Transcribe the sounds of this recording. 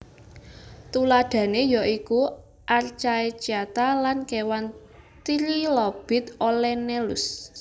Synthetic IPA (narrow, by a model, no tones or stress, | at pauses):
t̪ulaɖ̪̥ä̤nejɔʔiku | ʔart͡ʃaet͡ʃiat̪alankewan | t̪iɾilɔb̥ɪ̤t̪olɛnelʊs